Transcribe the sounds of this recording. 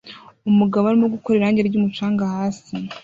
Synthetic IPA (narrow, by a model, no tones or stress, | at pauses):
umuɡaβoaɾimoɡuko̞ɾeɾaːɲɟeɾeɾɟuːmut͡ʃaːŋɡahaːsi